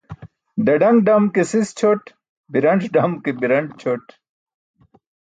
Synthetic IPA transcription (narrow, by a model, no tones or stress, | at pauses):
d̪ɐɖɐŋɡɖɐmkesist͡ɕʰoʈ | biɾɐɳʈ͡ʂɖɐmkebiɾɐɳʈt͡ɕʰoʈ